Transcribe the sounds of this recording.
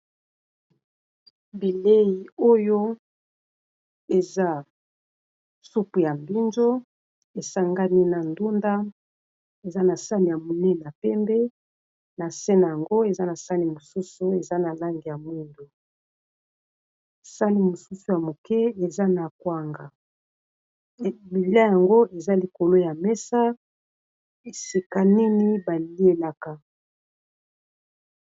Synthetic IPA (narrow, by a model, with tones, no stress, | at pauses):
be˨le˦ji˨o˦jo˦ | e˨za˦ | su˦pu˨ja˨mbi˦nzo˦ | e˨sa˦ŋɡa˦ni˦na˨ndu˦nda˦ | e˨za˦na˨sa˦ni˨ja˨mo˨nɛ˦na˨pɛ˦mbɛ˦ | na˨sɛ˦na˨ja˨ŋɡo˦e˨za˦na˨sa˦ni˨mo˨su˦su˦e˨za˦na˨la˦ŋɡi˨ja˨mu˦ndo˨ | sa˦ni˨mo˨su˦su˨ja˨mo˨kɛ˦e˨za˦na˨kwa˦ŋɡa˨ | bi˨li˦a˦ja˨ŋɡo˦ʔe˨za˦li˨ko˨lo˦ja˨mɛ˦sa˦ | e˨si˨ka˦ni˦ni˦ba˨li˦e˦la˦ka˨